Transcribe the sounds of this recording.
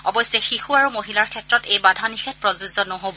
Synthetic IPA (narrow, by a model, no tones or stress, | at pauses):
ɔbɔjsɛxixuaɹumoɦilaɹkʰɛtɹɔtejbadʱanixʰɛt̚pɹɔzuzɔnɔɦobɔ